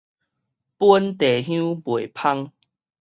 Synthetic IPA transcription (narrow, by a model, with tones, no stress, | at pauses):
pwu˦nt̪e˨˩ɦjũ˦bwe˨˩pʰa˦ŋ